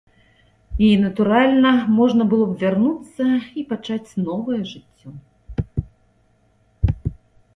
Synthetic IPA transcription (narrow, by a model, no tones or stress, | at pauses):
inɐt̪uɾalʲnɐmɔʐnɐbɨlˠɔbvʲarnut̪sːɐipat͡ʂat͡sʲnɔvɐjɐʐɨt͡sʲːɔ